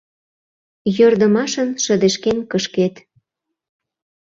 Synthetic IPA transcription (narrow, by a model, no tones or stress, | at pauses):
jørd̪ə̆mɑʃə̆nʃə̆d̪eʃkenkəʃket̪